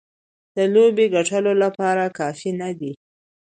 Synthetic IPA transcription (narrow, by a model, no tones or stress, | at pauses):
d̪̥əlobeɡaʈəlolapɑɾakɑfinad̪i